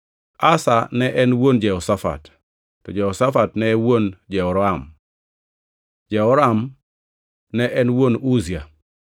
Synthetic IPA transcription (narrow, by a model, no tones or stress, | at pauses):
asanɛʔɛnwond͡ʒɛɔsafa̰tː | ɔd͡ʒɛɔsafatnɛwond͡ʒɛɔɾɔam | d͡ʒɛɔɾam | nɛʔɛnwonuzia